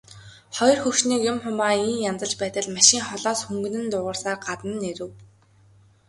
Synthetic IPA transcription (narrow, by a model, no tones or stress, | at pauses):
χɔjɞ̆rxɵwʃniːkjʊmχʊmaːiːnjamt͡sə̆ɮt͡ɕpæːt̪ə̆ɮmaʃiːŋχɔɮɔːsxuŋɡɵ̆nɘ̆nt̪ʊːʁə̆r̥saːrɢat̪ə̆nːeɾɘ̆w